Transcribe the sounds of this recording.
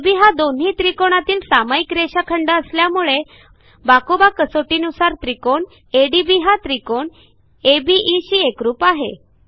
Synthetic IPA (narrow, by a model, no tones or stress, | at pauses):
biɦad̪onɦit̪ɾikoɳ̃at̪iːlsamaikɾeɕakʰəɳɖəəsljamuɭe | bakobakəsoʈiːnusaɾt̪ɾikoɳ | eɖibiɦat̪ɾikoɳ | ebiʔːɕiːekɾuːpaɦḛ